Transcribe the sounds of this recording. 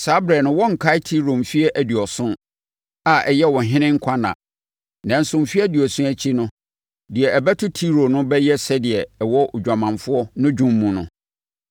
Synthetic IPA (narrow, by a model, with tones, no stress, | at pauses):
saː˨˦bɾɛ˨nʊ̃˦wɔ̃˦ŋ̩˨kʰa˦tʰi˦ɾo˨m˨fi˦ɛ˦ʔæ˨di˨ɔ˨sʊ̃˦ | a˨ʔɛ˨jɛ˦wɔ̃˨ɦɪ̃˦nɪ̃˦ŋ̩˦kʷʰa˦nã̰˨ | nã˨n̩˨sʊ̃˨m˨fi˦ɛ˦di˨ɔ˨sũ˦æ˦t͡ɕʰi˦nʊ̃˦ | dɪ˨ɛ˨ɛ˨bɛ˦tʰʊ˦tʰi˦ɾo˨nʊ̃˦bɛ˦jɛ˦sɛ˦dɪ˨ɛ˨wɔ˦ʔʊ˨d͡ʑᶣa˨mã˨ɱfʊ˦ɔ˦nʊ̃˦d͡ʑᶣũ˦m̩ː˦ũ˨nʊ̰̃˨